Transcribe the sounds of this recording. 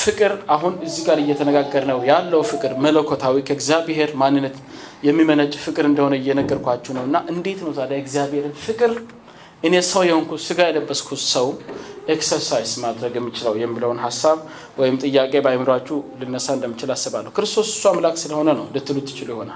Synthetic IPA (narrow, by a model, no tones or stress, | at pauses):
fɨkʼɨɾaɦunɨzːiɡaɾɨjːɛt̪ʰənəɡaɡːəɾnəwjalːəwfɨkʼɨɾmələkʰːot̪ʰawikʰəɡzijabhe̞ɾmanːɨnːət̪jɛmːimənət͡ʃʼfɨkʼɨɾɨnd̪əho̞nəɪjːɛnəɡːəɾkʷat͡ʃːɛwnəwɨnːaʔɨnd̪e̞t̪nəwzad̪ajɛɡzijabhe̞ɾɨnfɨkʼɨɾ | ʔɨnesəwjɛhonkusɨɡajɛləbːəskʰusəwʔeksəɾsajzmad̪ɾəɡjɛmːit͡ʃɪlawjɛmːiləwnɦasːaβ | wɔjɪmt̪ʼɨjːakʼe̞bajmɨɾwat͡ʃːulɨnːəsaɨnd̪əmːɨt͡ʃɪlasːəβalːəhwkɨɾɨst̪ʰo̞sɨ̥sːuamlakʼsɨləho̞nənəwlɨt̪ʰːɨlut̪ʰːɨ̥t͡ʃɪlujɛho̞nal